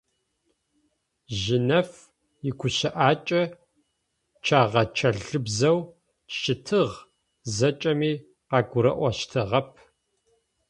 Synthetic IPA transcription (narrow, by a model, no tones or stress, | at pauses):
ʒɪnɐf | jɪkʷʊɕɪʔaːt͡ʃʼɐ | t͡ʃʰaːʁɐt͡ʃʰɐɮɨbzɐw | ʃɪtʰɨʁ | zɐt͡ʃʼɐmiː | qɑːɡʷʊɾɐ̰ʔʷɐʃtʰɨʁɐp̚ʰ